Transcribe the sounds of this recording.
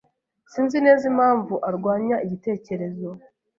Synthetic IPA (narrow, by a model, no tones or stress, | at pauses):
siːnzine̞ːzimhaːɱvuʔaɾɡwaːɲaiɟite̞ːce̞ɾe̞zo̞